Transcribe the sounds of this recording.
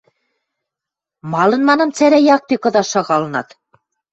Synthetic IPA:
mɑlɤ̆nmɑnɤ̆mt͡sæɾæjɑk̚t̪ekɤ̆ðɑʃɑɣɑlɤ̆nɑt̪

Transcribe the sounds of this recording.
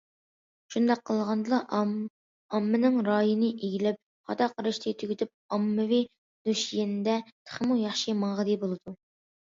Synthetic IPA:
ʃund̪ɑqʰːəlˠʁɑnd̪ɨlˠɑ | ɑmːɨnɪŋɾɑːjinɨʔeɡʲilɪp̚ | χɑ̰t̪ɑqʰəɾɨʃt̪ʰɨt̪ʰyɡʲyt̪ʰɪp̚ɑmːɨvi | d̪̥uʃjenɪd̪ɛt̪ʰə̥χmujɑχʃimɑʁəd̪ɨbolˠɨd̪u

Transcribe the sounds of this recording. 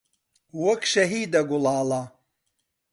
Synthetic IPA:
wɔkʃɐɦiːd̪ɐɡulaːla

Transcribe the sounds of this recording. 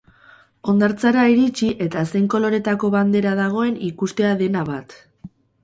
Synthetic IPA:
o̞nd̪aɾt͡saɾaiɾit͡ʃiʔe̞t̪ase̞jŋko̞lo̞ɾe̞t̪ako̞βand̪e̞ɾaðaɣ̞o̞e̞nikust̪e̞aðe̞naβat̪

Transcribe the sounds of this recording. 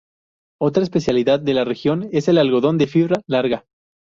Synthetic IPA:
o̞t̪ɾaespe̞sjaliðaðːe̞lare̞xjo̞ne̞se̞lalɣo̞ð̞o̞nd̪e̞fiβɾalaɾɣa

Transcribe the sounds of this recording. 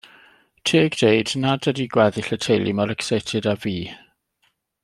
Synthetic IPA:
tʰiːɡd̥eɨdnadədiɡwɛðiɬətʰejlḭmɔɾɛksejtʰɪdaviː

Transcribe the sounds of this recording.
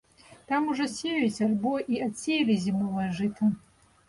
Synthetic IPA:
t̪amuʐɔsʲejet͡sʲalʲboʔiat͡sʲejlʲizʲimɨlaʐɨtʰɐ

